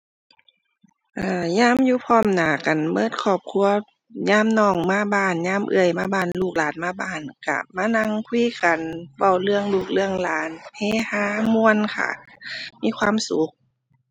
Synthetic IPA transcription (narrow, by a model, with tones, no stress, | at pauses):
ʔaː˧˩ɲaː˧˥˨mjuː˧˦pʰɔː˧˥˨mnaː˨˩ka˨nmɤː˧˩t̪̚kʰɔː˧˩p̚kʰu˧˥˨ɐ | ɲaː˧˥˨mnɔː˧˩ŋmaː˧˥˨baː˧˩nɲaː˧˥˨mʔɯ̰˧˩ə˨jmaː˧˥˩baː˧˩nluː˧˩k̚laː˨˦nmaː˧baː˧˩nka̰˧˩maː˧˥˨na˧˥˨ŋkʰwiː˧˨ka˨nwa˧˩wlɯ˧əŋluː˧˩k̚lɯ˧əŋlaː˨˦nheː˧˥˨haː˧˦mu˧ə˨nkʰa̰˧˩miː˧˥˨kʰwaː˧˥˨msu˨˦k̚